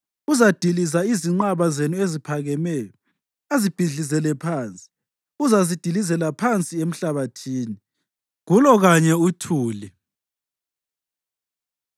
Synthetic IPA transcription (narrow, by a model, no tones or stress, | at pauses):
uzad̥ʱilizaiziŋ͡ǃaβazenuezipʰaɣɛmɛjɔ | azib̥ʱiɮizɛlɛpʰaːnt͡sʼi̥ | uzazid̥ʱilizɛlapʰant͡sʼiem̩ɬaβatʰiːni | ɣulɔɣaɲɛutʰuːli